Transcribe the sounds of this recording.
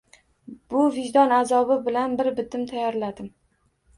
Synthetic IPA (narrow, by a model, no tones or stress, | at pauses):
b̥ʊvɪʒd̪ɒnazɒbɪbɪlanbɪɾbɪt̪ʰɪmt̪ʰajɒɾlad̪ɪm